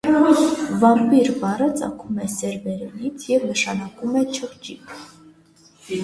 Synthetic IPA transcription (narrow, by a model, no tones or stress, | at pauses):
vɑmpiɾvɑrət͡sɑ̰kʰumɛsɛɾbɛɾɛnit͡sʰjɛvnəʃɑnɑkumɛt͡ʃʰəχt͡ʃipʰ